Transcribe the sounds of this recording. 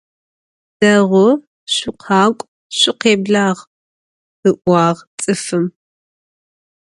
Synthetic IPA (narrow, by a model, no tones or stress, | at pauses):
d̥ɐʁʷʊ | ɕʷɪqʰɑːkʷʼ | ɕʷɪqeːbɮaːʁ | ɨʔʷɑːʁt͡sʼɨfɨm